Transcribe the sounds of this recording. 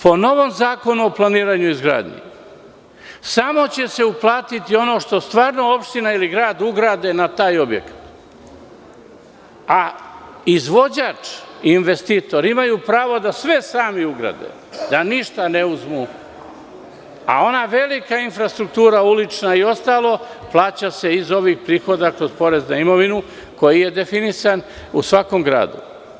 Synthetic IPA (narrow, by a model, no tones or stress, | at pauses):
po̞no̞ʋo̞mzaːko̞nuo̞plˠaniːɾaɲuizɡɾa̰ːd̪ɲḭ | samo̞t͡ɕe̞se̞uplˠaːt̪it̪io̞no̞ʃt̪o̞st̪ʋaːɾno̞o̞pʃt̪inailiɡɾaːd̪uɡɾaːd̪e̞nat̪aːjo̞bjḛkḁt̪ | a | izʋo̞d͡ʑaːt͡ʂiːnʋe̞st̪it̪o̞ɾimajuːpɾaːʋo̞d̪asʋe̞saːmiuɡɾa̰d̪ḛ | d̪aniʃt̪ane̞uzmu | a̰o̞naʋe̞likainfɾast̪ɾukt̪uːɾaulit͡ʂnaio̞st̪aːlˠo̞plˠaːt͡ɕase̞izo̞ʋixpɾiːxo̞d̪akɾo̞zpo̞ɾe̞znaimo̞ʋinu | ko̞jije̞d̪e̞finisan | usʋako̞mɡɾa̰ːd̪ṵ